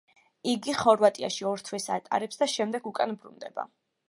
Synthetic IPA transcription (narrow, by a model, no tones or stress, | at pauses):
iɡiχɔɾvat̪ʼia̰ʃiɔɾt̪ʰwɛsat̪ʼa̰ɾɛpsd̪aʃɛmd̪ɛɡukʼanbɾṵnd̪ɛba̰